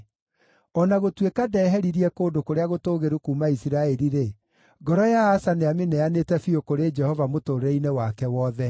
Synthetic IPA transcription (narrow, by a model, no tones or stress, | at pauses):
ɔnaɣotwekadɛːɦɛɾiɾiɛkoːndokoɾeaɣotoːɣeɾukuːmaisiɾaɛɾiɾe | ɡɔɾɔjaasaneamenɛanetɛfiokoɾed͡ʒɛhɔvamotoːɾɛinewakɛwɔːðɛ